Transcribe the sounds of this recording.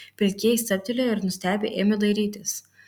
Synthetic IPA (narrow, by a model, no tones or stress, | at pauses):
pʲɾʲɪkʲeːjɪst̪ɐt̪ʲɪlʲoːɪɾnʊsʲt̪ʲæːbʲḛʔeːmʲed̪ɐɪɾʲiːt̪ʲɪs